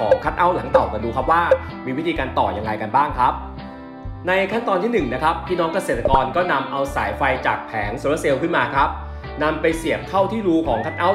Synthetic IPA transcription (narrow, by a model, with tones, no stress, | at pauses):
ɔː˩˦ŋkʰa˦˥t̪̚ʔa˦˥˩wla˩˦ŋt̪a˨˩wka˨˩duː˧kʰa˦˥p̚waː˥˩ | miː˧wi˦˥iː˧kaː˧nt̪ɔː˨˩ja˧ŋːɾa˧jka˧nbaː˥˩ŋkʰɾa˦˥p̚ | na˧jkʰa˥˩nt̪ɔː˧nt̪ʰiː˥˩nɯ˨˩ŋna˦˥kʰa˦˥p̚t̪ʰiː˥˩nɔː˦˥ŋka˧se˨˩t̪ːa˧kɔː˧nkɔː˥˩na˧mʔa˧wsaː˩˦jfa˧jt͡ɕa̰ː˨˩k̚pʰɛː˩˦ŋso˧la˦˥se˧wkʰɯ˥˩nmaː˧kʰɾa˦˥p̚ | na˧mpa˧jsi˨˩əp̚t̪ʰa˥˩wt̪ʰiː˥˩ɾuː˦˥kʰɔː˩˦ŋkʰa˦˥t̪̚ʔa˦˥˩